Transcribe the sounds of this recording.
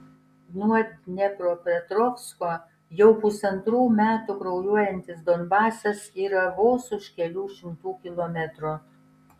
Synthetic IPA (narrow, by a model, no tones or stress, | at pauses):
nuɐnʲɛkɾoːpʲɛt̪ɾɔfskoː | jɛʊpʊsɐnt̪ɾuːmʲæːt̪ʊkɾɔʊjuɔjɛnʲt̪ʲɪsd̪ɔnbɑːsɐsiːɾɐʋoːsʊʃkʲɛlʲuːʃʲɪmt̪uːkʲɪlˠɔmʲɛt̪ɾo